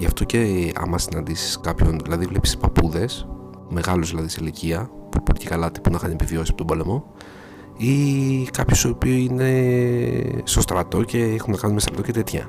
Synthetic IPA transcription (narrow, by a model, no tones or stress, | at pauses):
ʝɐft̪o̞ce̞ɐ̰mɐsinɐnd̪isi̥skɐpço̞nðilɐðivlepsi̥pɐpuðe̞s | me̞ɣɐluzðilɐðiseiliciɐpupolicekɐlɐt̪i̥punɐxɐnepivio̞sisɐ̥pot̪obole̞mo̞ | ikɐpçost̪oːpiuine̞ | st̪o̞st̪ɾɐt̪o̞ce̞exunnɐkɐnumest̪ɾɐt̪o̞ce̞t̪e̞t̪çɐ̰